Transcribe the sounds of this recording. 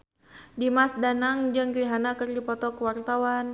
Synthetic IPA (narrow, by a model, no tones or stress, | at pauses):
dimasdanaŋd͡ʒɨŋliɦanakərdipɔt̪ɔkəwart̪awan